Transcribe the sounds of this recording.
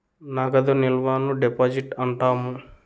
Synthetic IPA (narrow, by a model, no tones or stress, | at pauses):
naɡɐd̪ɐnilʋaːnuɖepaːd͡ʒiʈɐɳʈaːmu